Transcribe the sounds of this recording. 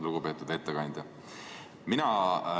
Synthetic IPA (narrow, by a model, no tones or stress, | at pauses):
luɡ̥upe̞ːt̪ːˑud̪̥e̞t̪ːekɑnʲd̪̥ʲɑ | minɑ